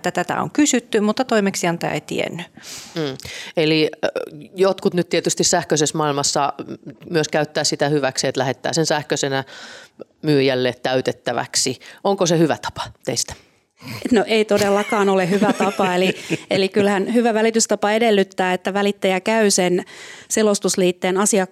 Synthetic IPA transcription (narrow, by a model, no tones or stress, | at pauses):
t̪ːæt̪æt̪æ̰o̰ŋkysyt̪ːymut̪ːɑt̪oimeksiɑnt̪æ̰ːḛt̪ḭḛnːym̩ːeli | jot̪kut̪nyt̪t̪iet̪yst̪issæhkøsesmɑilmɑsːɑmyøskæyt̪ːæːssit̪æhyʋæksiet̪læhet̪ːæ̰ːsensæhkøsenæ | myːjælːeːt̪t̪æyt̪et̪ːæʋæ̰ksioŋkosehyʋæt̪ɑ̥pɑ̥t̪ḛist̪æ̥ | et̪noʔeit̪odelːɑkɑːnolehyʋæt̪ɑpɑelielikylhænhyʋæʋælit̪yst̪ɑpɑedelːyt̪ːæːet̪ːæʋælit̪ːæjækæysenselost̪usliːt̪ːeːnɑsiɑ